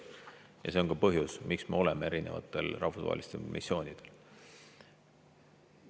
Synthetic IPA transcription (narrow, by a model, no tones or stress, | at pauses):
jɑ̰se̞okɑpɤɦjusmiksmeo̞le̞mee̞ɾine̞vɑ̰t̪ːˑe̞̰lrɑ̰hfusvɑ̰ɦḛlist̪ḛlmʔḭsːio̞ːnid̪̥e̞l